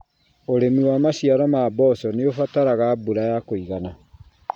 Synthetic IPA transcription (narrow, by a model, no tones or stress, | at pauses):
oɾemiwamaɕiaɾɔmaːbɔsɔneofataɾaɣabuɾajakoiɣana